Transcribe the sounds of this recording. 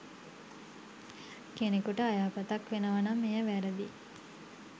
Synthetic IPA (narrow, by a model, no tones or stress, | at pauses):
kenekuʈəajaːpət̪akʋenəʋanamːejəʋæɾəd̪i